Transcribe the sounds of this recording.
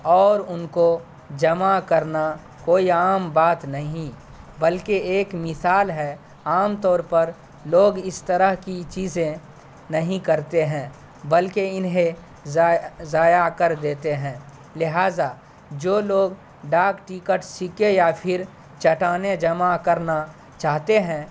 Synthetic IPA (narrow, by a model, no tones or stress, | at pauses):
ɔːɾʊnko | d͡ʒɐmakɐɾna | koːiaːmbaːt̪nɐɦĩ | bəlkeeːkmɪsaːlɦɛ | aːmt̪ɔːɾpɐɾ | loːɡɪst̪əɾəɦkit͡ʃiːzẽ | nɐɦĩkɐɾt̪eɦɛ̃ː | bɐlkeɪnɦẽ | zaːjakəɾd̪eːt̪eɦɛ̃ː | lɪɦaːza | d͡ʒoːloːɡ | ɖaːkʈikəʈsɪkejapʰɪɾ | t͡ʃɐʈaːned͡ʒɐmakɐɾna | t͡ʃaːɦt̪eɦɛ̃ː